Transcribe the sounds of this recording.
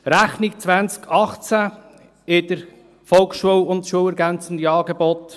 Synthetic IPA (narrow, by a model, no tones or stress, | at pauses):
ɾæχnɪk̚t͡sʋænt͡skʰɑχt͡sæ | ɪd̥əɾ | fɔlˠksʃuəlʊntʃuəlɛɾɡænt͡sən̩d̪iɑːɡebɔt̪